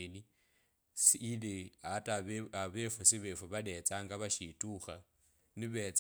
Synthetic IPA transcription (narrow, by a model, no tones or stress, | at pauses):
eni | siɺɛɦatʼaβaβɛfɔsiβɛfɔβaɗɛt͡sʼaŋɡaβaʃitʼuːxa | nɪβɛt͡sʼ